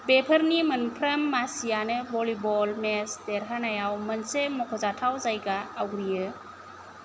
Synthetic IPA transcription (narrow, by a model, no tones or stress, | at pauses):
bepʰəɾnimɯnpʰɾəmːasijanɯbɔlibɔlmesdeɾɦanajawmənsemɔkʰɔzatʰawzajɡaːwɾijɯ